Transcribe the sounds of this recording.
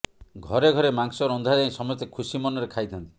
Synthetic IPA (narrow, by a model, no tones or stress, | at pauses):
ɡʱɔɾeɡʱɔɾemaŋsɔɾɔnd̪ʱad͡ʒaĩsɔmɔjt̪ekʰusimɔnɔɾekʰajt̪ʰɔnt̪i